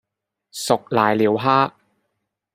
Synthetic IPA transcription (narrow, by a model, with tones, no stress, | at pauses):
sʊ˨k̚laː˨jliː˨˧wɦaː˥ʔ